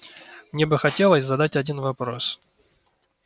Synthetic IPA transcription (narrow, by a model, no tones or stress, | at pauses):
mnʲebɨxɐtʲe̞lˠəsʲzɐd̪atʲɐdʲinvɐpɾo̞s